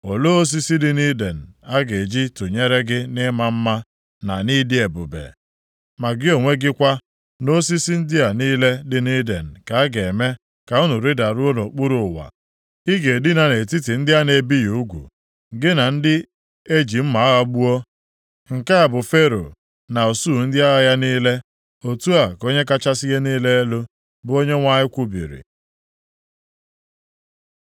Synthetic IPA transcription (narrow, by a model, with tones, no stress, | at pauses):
o˨lo˦o˦s̬i˦si˦dɪ˦ni˦de˨n̩˨a˦ɡe˨d͡ʒi˦to˨ɲe˦ɾe˦ɡɪ˦nɪ˦ma˦m̩˦ma˦ | na˨ni˦dɪ˦e˨bʊ˨bḛ˨ | ma˨ɡɪ˦o˨ŋʷe˦ɡɪ˦kʷa˦ | no˦s̬i˦si˦n̩˦dɪ˦a˨niː˦le˦dɪ˦ni˦de˨n̩˨ka˨a˦ɡe˨me˦ | ka˨ʊ˦nʊ˨ɾɪ˦da˨ɾu˦o˦no˨k͡pu˦ɾʊ˨wa̰˨ | i˦ɡe˨dɪ˦na˨ne˨ti˦ti˨n̩˦dɪ˦a˦ne˨bi˦ju˨˦ɡʷṵ˨ | ɡɪ˦na˨n̩˦dɪ˦ | e˦d͡ʒi˨m̩˦ma˨a˦ɣa˦ɡ͡bu˦ɔ˦ | ŋ̩˨ka˦a˨bʊ˨fe˦ɾo̰˨ | na˨o˨su˦˨n̩˦dɪ˦a˦ɣa˦ja˦niː˦le˦ | o˨tu˦a˨ko˦ɲe˦ka˦t͡ʃa˦si˦ɣe˦niː˦le˦e˦lo˦ | bʊ˦o˦ɲe˦ŋʷa˦ɲɪ˦kʷu˦bḭ˨ɾḭ˨